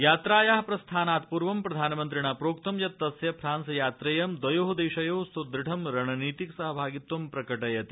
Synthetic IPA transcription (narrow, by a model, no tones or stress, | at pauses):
jaːt̪ɾaːjaːɦɐpɾɐst̪ʰaːnaːt̪puɾʋɐmpɾɐd̪ʱaːnmɐnt̪ɾiɳapɾoːkt̪ɐmjɐt̪ːɐsjɐpʰɾaːnsɐjaːt̪ɾejɐmd̪ʋɐjoːɦud̪eːʃɐjoːɦsud̪ɾiʈʰɐmɾɐɳɐniːt̪iksɐɦɐbʱaːɡit̪ʋɐmpɾɐkɐʈɐjɐt̪i